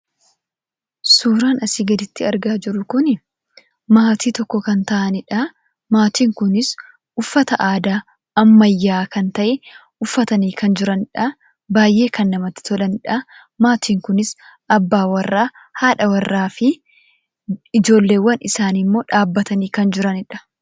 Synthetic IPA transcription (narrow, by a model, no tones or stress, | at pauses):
suːɾaːnɐsiːɡɐd̪ɪt̪ːɪɐɾɡaːd͡ʒɪɾʊkʊnɪ | maːt̪iːt̪ɔkːɔkɐnt̪ɐʔɐnɪᶑa | maːt̪iːŋkʊnɪs | ʊfːɐt̪ɐʔaːd̪aː | ɐmːɐjːaːkɐnt̪ɐʔɛ | ʊfːɐt̪ɐniːkɐnd͡ʒɪɾɐnɪᶑɐ | baːjʔːe̞ːkɐnːɐmɐt̪ːɪ̥t̪ɔlɐnɪᶑɐ | maːt̪ʰiːŋkʊnɪsʔɐbːaːwɐrːaː | haːᶑɐwɐrːaːfɪ | ɪd͡ʒo̞ːlːe̞ːwːɐnʔɪsaːnɪmːo̞ːᶑaːbːɐt̪ɐniːkɐnd͡ʒɪɾɐnɪᶑɐ̥